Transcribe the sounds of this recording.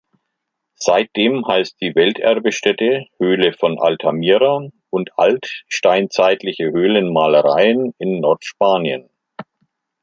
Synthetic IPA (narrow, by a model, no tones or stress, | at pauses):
z̥aɪt̚d̥eːmhaɪst̚d̥iːvɛltʔɛɐbəʃtɛtəhøːləfɔnʔa̰ltʰamiːʁaʔʊntʰʔa̰ltʃtaɪnt͡saɪtʰlɪçəhøːlənmaːləʁaɪənɪnːɔɐtʃpaːnjə̰n